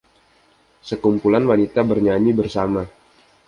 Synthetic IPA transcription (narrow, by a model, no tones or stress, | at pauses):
səkumpulanwanit̪abərɲaɲibərsama